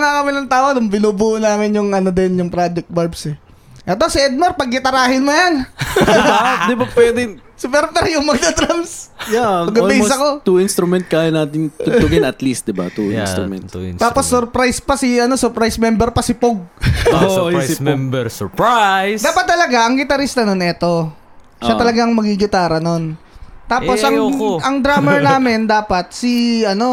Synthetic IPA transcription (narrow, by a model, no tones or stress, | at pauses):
ŋakɐminɐŋt̪aːonʊmbɪnuːbuːʔʊnaːmɪnjʊŋɐnod̪ɛnjʊŋpɾad͡ʒɛk̚t̪̚bɛɹbsɛ | ʔɐt̪osɪɛd̪̚mɐɾpɐɡ̚nɪt̪ɐɾaːhɪnmʊjanɪad̪ɪbapwɛːd̪ɪ | sɪpɛɾpɛɾjʊŋmɐɡ̚d̪ɐt̪ɾamsjaɐɡɐolimosɐko̞t̪uinst̪ɾumɛnt̪̚kaːjɐnaːt̪ɪnt̪ʊʊɡɪnɐt̪list̪̚d̪ɪba̰t̪uḭnst̪ɾumɛ̰nt̪aːpo̞sːɔɾpɾajspɐsɪɐnosɔɾpɾajsmɛmbɛɾpɐsɪpoɡ̚osɪ | d̪aːpɐt̪ːɐlɐɡaʔɐŋɡɪt̪ɐɾist̪ɐnonɛt̪o̞ | ʔʃat̪ɐlɐɡaŋmɐɡiɡɪt̪aːɾɐnont̪aːosʔɐŋʔɐŋd̪ɾaːmɛɹnaːmɪnd̪aːpɐt̪̚sɪɐno̞